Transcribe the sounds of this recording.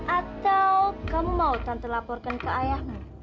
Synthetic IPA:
ʔat̪awwkəmːawt̪ant̪əlapɔrkankəajahŋan

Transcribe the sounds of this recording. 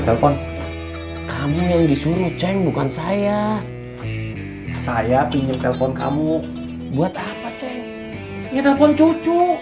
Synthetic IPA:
t̪ɛlfɔn | kamujaŋdisuɾut͡ʃɛŋbukansaja | sajapiɲd͡ʒʊŋt̪ɛlfɔnka̰mu | buat̪apat͡ʃɛŋ | ɲat̪ɛlfɔnt͡ʃut͡ʃu

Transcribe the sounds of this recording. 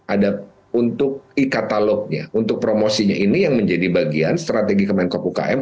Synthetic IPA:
ʔada | unt̪ʊk̚ikat̪alɔk̚ɲa̰unt̪ʊk̚pɾomosiɲaʔinijaŋməɲd͡ʒadibaɡianst̪ɾat̪eɡikəmaɪnkopuka̰ʔɛm

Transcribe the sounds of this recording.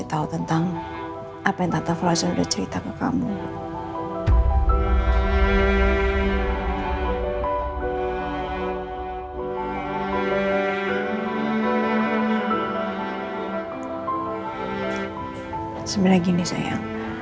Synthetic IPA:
it̪aut̪ənt̪aŋ | ʔapajaŋt̪at̪aflasanudaht͡ʃəɾit̪akəka̰mu | səmbilaɡinisa̰ja̰

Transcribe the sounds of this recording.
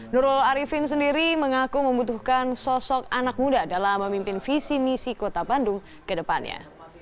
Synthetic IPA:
nuɾʊlaɾifɪns̬əndiɾiməŋakuməmbut̪uhkansɔsɔk̚anak̚mudadalamːəmimpɪnfisinisikot̪abandʊŋ | kədəpanɲa̰

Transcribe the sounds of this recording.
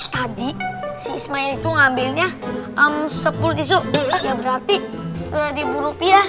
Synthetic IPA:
t̪adisismaɪnit̪uŋambɪlɲaʔəmsəpulut̪̬is̬ʊʔlaɡabəɾart̪isəɾibuɾopia

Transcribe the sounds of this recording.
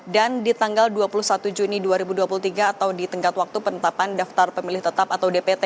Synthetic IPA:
dandit̪aŋɡalduapuluhsat̪ud͡ʒuniduaɾibuduapulut̪iɡaːt̪awdit̪əŋkat̪wak̚t̪upənət̪apandaft̪arpəmilɪht̪ət̪apat̪awdepet̪e

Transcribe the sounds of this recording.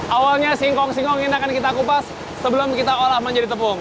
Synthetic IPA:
ʔawalɲasiŋkɔŋsiŋkɔŋinakankit̪akupasː | əbəlʊmkit̪aolahməɲd͡ʒadit̪əpʊŋ

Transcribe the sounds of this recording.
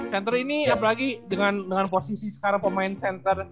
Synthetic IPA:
sɛnt̪əriniap̬əlaɡidəŋandəŋanposisisə̥kaɾaŋpəmaɪnsɛnt̪ər

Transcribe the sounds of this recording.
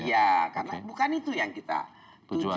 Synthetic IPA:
jakarnabukanit̪ujaŋkit̪a̰ | t̪ud͡ʒ

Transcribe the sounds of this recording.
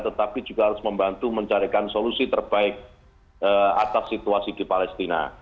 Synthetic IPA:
t̪ət̪apid͡ʒuɡaɦaɾʊsməmbant̪uməɲt͡ʃaɾikansolusit̪ərb̥aɪk̚ | əa̰t̪asːit̪uasidipalɛst̪ina̰

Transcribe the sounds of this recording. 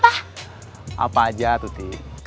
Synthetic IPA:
pa | a̰pad͡ʒat̪ut̪i

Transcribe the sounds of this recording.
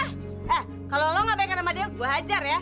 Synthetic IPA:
ɛ | kalolɔŋabajkaɾamadiaɡuaɦad͡ʒarja

